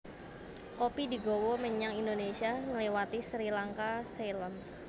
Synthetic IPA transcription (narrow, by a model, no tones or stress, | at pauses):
kopidiɡowoməɲaŋindonesiaŋəlewat̪isəɾilaŋkaselɔn